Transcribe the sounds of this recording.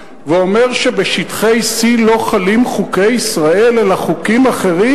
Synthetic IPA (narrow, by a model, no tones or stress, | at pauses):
veo̞me̞ʁʃe̞be̞ʃit̪χe̞jsilo̞χalimχuke̞jisʁae̞lelaχukimaχe̞ʁi